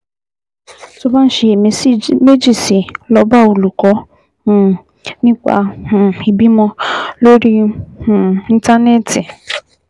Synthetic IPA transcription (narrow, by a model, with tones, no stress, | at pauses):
tʊ˦ba˦n̩˨ʃi˨e˨˦me˦d͡ʒi˨si˨lɔ˨ba˦o˨lu˨kɔ˨˦˨ | nɪ˦kʷa̰˨i˨bi˦mɔ˦lo˦ɾi˦˨ | n̩˦ta˦ne˦ti˨